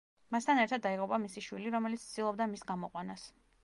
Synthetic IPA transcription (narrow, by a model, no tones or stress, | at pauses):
mast̪ʰanɛɾt̪ʰad̪ːaiʁʼupʼamisiʃwiliɾɔmɛlit̪st̪d̪ilˠɔbd̪amisɡamɔqʼwanas